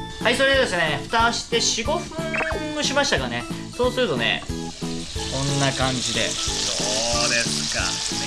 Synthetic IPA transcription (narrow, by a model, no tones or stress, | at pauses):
haiso̞ɾed̪ed̪e̞s̬ɨneɸɯ̟̥t̪aɕi̥t̪e̞ɕiɡo̞ɸɯ̟̃ŋɡɯ̟ɕimaɕi̥t̪akane̞ | so̞ːsɨɾɯ̟t̪o̞ne̞̰ | kõ̞nːakãɲ̟d͡ʑid̪e̞̰soːd̪e̞sɨ̥ka̰